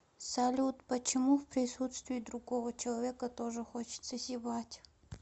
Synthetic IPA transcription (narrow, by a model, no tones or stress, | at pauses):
sɐlʲut̪pət͡ɕɪmufpɾʲɪsut̪st̪vʲɪːd̪ɾʊɡovət͡ɕɪlˠɐvʲekət̪oʐɨxot͡ɕɪ̥t̪səsʲɪbatʲ